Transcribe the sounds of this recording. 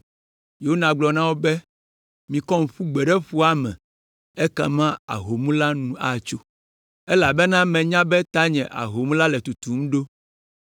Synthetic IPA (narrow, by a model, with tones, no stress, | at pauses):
je˨wo˦nã˨ɡ͡blɔ˨nã˦wo˦bɛ˦ | mĩ˨kɔ˦ŋ̩˨ɸu˦ɡ͡bɛ˨ɖɛ˦ɸu˦a˦mɛ̰̃˨ | ɛ˦ka̰˨mã˦a̰˨ɦo˨mũ˦la˦nũ˨˦a˨t͡ʃo˦ | ɛ˦la˨bɛ˦nã˦mɛ̃˨ɲã˦bɛ˦t̪a˦ɲɛ̃˨ʔa̰˨ɦo˨mũ˦la˦lɛ˨t̪u˨t̪u˨m̩̃˦ɖo˦